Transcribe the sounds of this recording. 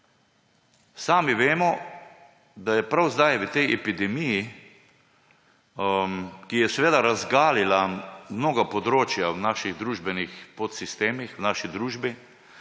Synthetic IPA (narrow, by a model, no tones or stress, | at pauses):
saːmiʋeːmɔ | d̪ajɛpɾawzd̪ajʋət̪ɛjɛpid̪ɛmiji | kijɛsɛʋeːd̪aɾazɡaːlilamnoːɡapɔd̪ɾoːt͡ʃjawnaːʃiɣd̪ɾuːʒbɛnixpot̪sist̪eːmixwnaːʃid̪ɾuːʒbi